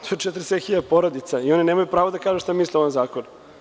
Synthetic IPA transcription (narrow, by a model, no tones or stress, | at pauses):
t̪oet͡ʃet̪ɾset̪xiʎad̪poɾod̪it̪saio̞ninemajupɾaːʋod̪akaːʒeʃt̪amislioʋanzaːkon